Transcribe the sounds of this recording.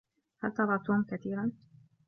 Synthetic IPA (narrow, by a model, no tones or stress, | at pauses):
halt̪ɑɾˤɑːt̪uːmkat̪iːɾan